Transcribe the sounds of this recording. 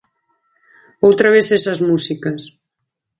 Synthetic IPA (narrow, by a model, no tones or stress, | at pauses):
owt̪ɾaβesesɐzmusikɐs